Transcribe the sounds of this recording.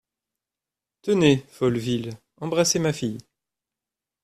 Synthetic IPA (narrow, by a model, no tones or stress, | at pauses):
t̪ənefɔlvil | ɑ̃bʁasemafij